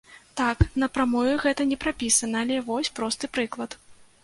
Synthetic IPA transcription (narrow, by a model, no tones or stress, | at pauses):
t̪aknɐpɾamɔvʲɛɣɛt̪ɐnʲɛpɾapʲisɐnɐːlʲɛvɔsʲpɾɔst̪ɨpɾɨklˠɐt̪